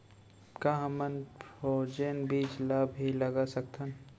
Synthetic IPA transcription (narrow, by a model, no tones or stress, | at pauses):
kaɦɐmənfoːd͡ʒənbʱiːd͡ʒlaːbilɐɡasɐk̚t̪ʰən